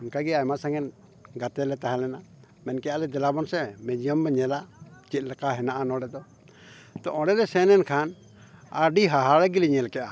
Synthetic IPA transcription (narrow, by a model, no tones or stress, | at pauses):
nkaɡɛajmasaŋɛn | ɡat̪ɛlɛt̪aɦalɛna | mɛnkɛjalɛd̪ɛlabɔnsɛmɛd͡ʒijɔmbɛɲɛlat͡ʃit̪̚ˀlɛkaɦɛnaʔanɔɽɛd̪ɔ | t̪ɔ̰ʔɔ̃ɽɛlɛsɛnɛnkʰan | a̰ɖiɦaɦaɽɛɡiliɲɛlkɛʔa